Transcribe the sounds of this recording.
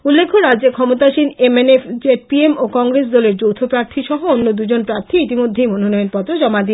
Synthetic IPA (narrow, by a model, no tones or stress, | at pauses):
ulːekʰoɾadd͡ʑekʰɔmot̪aʃinemenefd͡ʑepiemokɔŋɡɾes̬d̪ɔleɾd͡ʑowt̪ʰopɾaɾt̪ʰiʃɔɦoonːod̪ud͡ʑonpɾaɾt̪ʰiit̪imod̪ʱːejmononɔjoɾpɔt̪ɾod͡ʑɔmad̪i